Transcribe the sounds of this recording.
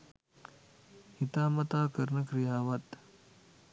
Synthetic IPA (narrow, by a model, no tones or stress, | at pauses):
hit̪aːmɐt̪aːkɐɾnɐkɾijaːʋɐt̪